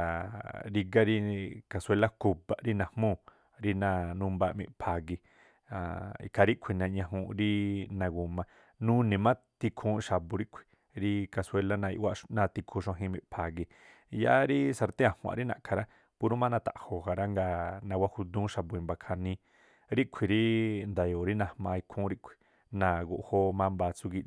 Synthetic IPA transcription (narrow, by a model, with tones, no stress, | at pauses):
ɾi˧ɡa˦ɾi˧ka˧˨se˧la˦ku˧ba˨ʔɾi˦nã˨hmũ˦˨ | ɾi˧nã˧nũ˧mba˧mĩ˧ʔpʰa˨ɡi˧ | a˨ḭ˧kʰa˧ɾi˦kʷʰi˨nã˧ɲã˧ɦũ˧ɾi˦nã˧ɡu˨mã˧ | nũ˦nĩ˨mã˦ | t̪i˧kʰũː˧˦ʃa˨bu˧ɾi˦kʷʰi̥˨ | ɾi˧ka˧swe˧la˦nã˧ḭ˧ʔwa˧ʔnã˧t̪i˧kʰũ˧ʃã˧ɦĩ˧mĩ˧˨pʰa˨ɡi˧ | ja̰˧˦ɾi˦sa˧ɾt̪ẽ˦ã˨hw̃ã̰˧˨ɾi˦nã̰˧˨ʔkʰa˧ɾa˦ | pu˧ɾu˦mã˦nã˧t̪a̰˨ʔho˨ha˧ɾa˦ŋɡa˧nã˧wʷa˦hu˧d̪ũː˦ʃa˧bu˧ĩ˧˨mba˧kʰa˧nĩ˧ | ɾi˦ʔkʷʰi˨ɾi˦nd̪a˨jo˨ɾi˦nã˧hmã˧i˧kʰũ˦ɾi˦ʔkʷʰi̥˨ | nã˨ɡṵ˧ʔho˧mã˦mbaː˧t͡su˧ɡi˧